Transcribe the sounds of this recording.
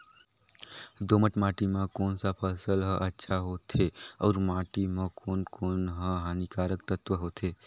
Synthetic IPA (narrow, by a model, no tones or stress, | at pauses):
d̪oməʈmaʈimãkoːnsapʰəsəlɦə̃ʔətːʃʰaɦot̪ʰeɔːɾmaʈimə̃kʰonkoːnɦə̃ɦanikaɾək̚t̪ət̪ʋəɦot̪ʰe